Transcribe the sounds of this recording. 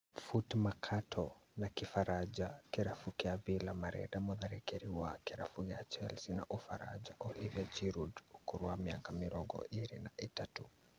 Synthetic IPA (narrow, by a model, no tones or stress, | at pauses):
futmakʰatʰɔnakifaɾad͡ʒakɛɾafukɛavilamaɾɛ̰damɔðaɾɛkɛɾiwakɛɾafuɣat͡ʃɛlsina̰ʔufaɾa̰d͡ʒaʔɔliviad͡ʒiɾudukuɾuamiakamiɾɔɡɔ̰ʔiɾḭnaʔitatu